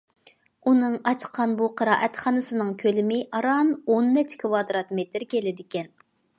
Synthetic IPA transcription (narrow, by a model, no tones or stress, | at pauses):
unɨŋɑt͡ʃʰqʰɑnbuqʰəɾɑːʔɛt̪χɑnɨsɨnɨŋkʲʰølɪmɪʔɑɾɑnonːɛt͡ʃkʰvɑd̪ɾɑt̪met̪ɾkʲʰelɪd̪ɪkʲɛn